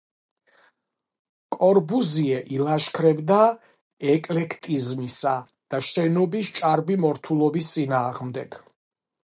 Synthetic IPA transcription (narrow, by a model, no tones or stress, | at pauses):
kʼɔɾbuziɛʔilˠaʃkʰɾɛbd̪a | ɛkʼlɛkʰt̪ʼizmisa | d̪̥aʃɛnɔbist͡ʃʼaɾbimɔɾt̪ʰulˠɔbist̪sʼinaːʁmd̪ɛɡ̥